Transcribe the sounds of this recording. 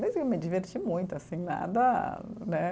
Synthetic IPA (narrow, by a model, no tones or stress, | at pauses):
mezmʊkewmɪd͡ʒiveɾt͡ʃimũj̃t̪ʊasĩna̰d̪ɐnɛ